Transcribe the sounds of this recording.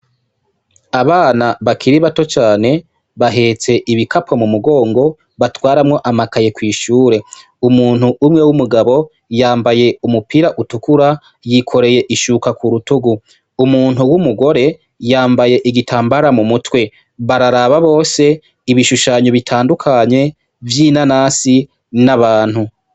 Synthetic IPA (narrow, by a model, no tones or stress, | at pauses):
aβaːnaβakʰiɾiβato̞t͡ʃaːne̞ | βaɦe̞ːt͡se̞ʔiβikʰapʰomumuɡo̞ːŋɡo̞ | βatwaːɾamŋo̞ʔamakaje̞kwiːʃuːɾe̞ | umuːnhuʔːmŋe̞wumuɡaβo̞ | jaːmbaje̞umupiɾaʔutukuɾa | jikʰo̞ɾe̞je̞ʔiʃukakuɾutuɡu | umuːnhuwumuɡo̞ɾe̞ | jaːmbaje̞ʔiɡitʰaːmbaɾamumutwe̞ | βaɾaɾaβaβo̞ːse̞ | iβiʃuʃaːɲoβitʰaːndukʰaɲe̞ | vjiːnanaːsi | naβaːn̥hu